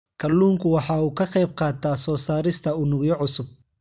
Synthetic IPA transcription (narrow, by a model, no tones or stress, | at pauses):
kʰɐlːuːŋkʰʊwɑħɑːuːkʰɐqɛjb̚qɑːt̪ʰaːsɔːsaːɾɪst̪ʰɐʊnʊɣjɔʕʊsʊb̚